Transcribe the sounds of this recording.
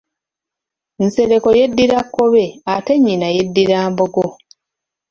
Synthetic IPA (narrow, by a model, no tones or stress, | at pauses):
nse̞ɾe̞ko̞je̞dːiɾakːo̞βe̞ate̞ɲːinaje̞dːiɾaːmboɡo